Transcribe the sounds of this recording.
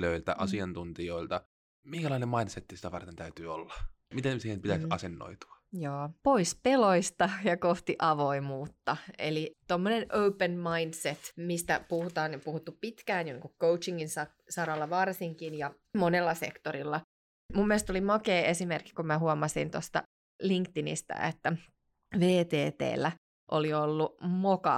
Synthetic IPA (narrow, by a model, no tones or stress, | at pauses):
løilt̪æ̰ʔɑsiɑnt̪unt̪ioilt̪ɑ | miŋkælɑinemɑinset̪ːisit̪æʋɑ̰rt̪ent̪æyt̪yːo̰lːɑ̥ | mit̪ensiːhempit̪æsɑsenːo̰it̪u̥ɑ̥joːpoispeloist̪ɑjɑkoht̪iʔɑʋoimuːt̪ːɑḛlit̪omːonenʔøupənmɑindset̪mist̪æ̰puhut̪ɑːnpuhut̪ːuppit̪kæːnjonḭŋkukkout͡ʃiŋːinsɑ | sɑɾɑlːɑʋɑrsiŋkinjɑ | monelːɑsḛkt̪oɾilːɑ | mumːielest̪olimɑkeːesimerkːi̥kumæhuɑmɑsint̪ost̪ɑ̰ | liŋkt̪inḭst̪æ̰et̪ːæ | ʋeːt̪eːt̪ḛːlːæ | ʔoliolːumokɑ̰